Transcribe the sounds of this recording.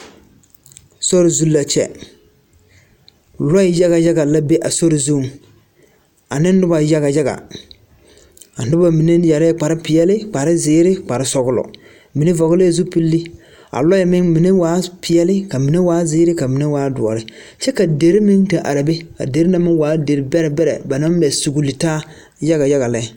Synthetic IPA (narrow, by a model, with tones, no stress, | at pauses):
so˦ɾɪ˨zu˦lːa˨t͡ʃɛ̰˦ | lɔ˦ɪ˨ja˦ɣa˨ja˦ɡa˨la˦be˦ʔa˨so˦ɾɪ˨zu˦˨m | a̰˨nɪ̃˦n˦dʊ˦ba˨˦ja˦ɣa˨ja˦ɡa̰˨ | a˨nʊ˦ba˨mi˨ne˦ja˨ɾɪ˦k͡pa˨ɾɪ˦pɪ˨ɛ˦lɪ˦k͡pa˨ɾɪ˦zɪː˦ɾɪ˦k͡pa˨ɾɪ˦sɔ˦ɡʊ˦lɔ̰˨ | mi˨ne˦vɔ˨ɣʊ˦le˦˨zu˦pi˦lːi˦ | a̰˨lɔ˦ɪ˨mɪ˦ŋmi˨ne˦waː˨˦pʰɪ˨jɛ˦lɪ˦ka˨mi˨ne˦waː˦zɪː˦ɾɪ˦ka˨mi˨ne˦waː˦dʊ˨ɔ̰˨ɾɪ˦t͡ʃɛ˦ka˨de˨ɾi˦mi˦ŋta˨ʔa˨ɾa˨be˦ka̰˨de˨ɾi˦na˨˦mɪ˦ŋwaː˨˦de˨ɾɪ˨bɛ˦ɾɛ˨bɛ˦ɾɛ̰˨ba˨na˦m˦mɛ˨su˨ɡu˨lːi˨taː˦ | ja˦ɣa˨ja˦ɣa˨lɛ˦˨